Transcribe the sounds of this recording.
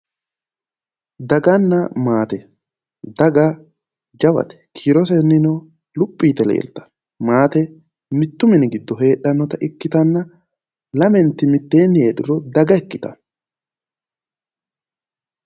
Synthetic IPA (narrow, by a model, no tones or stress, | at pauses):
d̪ɐɡɐnːɐmaːt̪ɛ | d̪ɐɡa | d͡ʒɐbɐ̰t̪ɛ̥kʰiːɾɔs̬ɛnːɪno | lʊpʼːiːt̪ːɛlḛːlt̪ɐ̥ | maːt̪ɛ | nɪt̪ːʊmɪnɪɡɪd̪ːɔɦe̞ːɗɐnːɔt̪ɐʔɪkːɪt̪ɐnːɐ | lɐmɛnt̪ːɪmɪt̪ːe̞ːnːɪeːᶑɪɾɔd̪ɐɡɐɛkːɪt̪ɐ̰n